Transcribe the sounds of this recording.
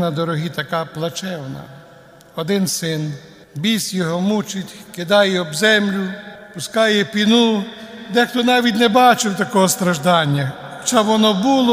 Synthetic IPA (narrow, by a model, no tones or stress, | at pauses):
nɐd̪ɔɾɔɦit̪ɐkɑplˠɐt͡ʃɛwnɐ̰ | ɔd̪ɪnsɪn | bʲisʲjɔɦɔmut͡ʃɪtʲkɪd̪ɑjɛɔbzɛmlʲʊpʊskɑjɛpʲinud̪ɛxt̪ɔnɑʋʲitʲnɛbɑt͡ʃɪwt̪ɐkɔɦɔst̪ɾɐʒd̪ɑnʲːɐ | xɔ̥t͡ʃabʋɔnɔbulˠɔ